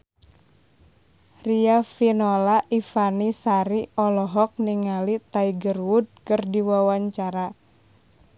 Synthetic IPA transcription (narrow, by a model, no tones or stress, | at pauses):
riafinɔlaʔifanisaɾiɔlɔɦɔk̚niŋalit̪aiɡərwud̚kɨrdiwawaɲt͡ʃaɾa